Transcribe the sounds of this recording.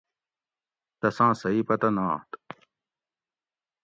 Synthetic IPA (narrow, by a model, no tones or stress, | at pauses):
t̪ɐsãːsɐipɐt̪ɐnãːt̪